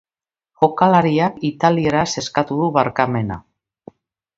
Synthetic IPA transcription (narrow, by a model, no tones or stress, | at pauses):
xokalaɾiakit̪alieɾase̞skat̪uðuβaɾkame̞na̰